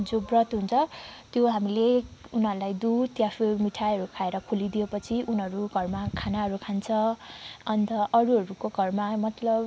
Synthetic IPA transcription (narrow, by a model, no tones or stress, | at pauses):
d͡zobrʌt̪ɦunt͡sʰʌt̪joɦamileunɦʌɾulajd̪ut̪japʰemiʈʰaɦʌɾukʰaeɾʌkʰulid̪ijepʌt͡sʰiʔunɦʌɾuɡʱʌrmakʰanaɦʌɾukʰant͡sʰʌʌnt̪ʌʔʌɾuɦʌɾukoɡʱʌrmamʌt̪lʌb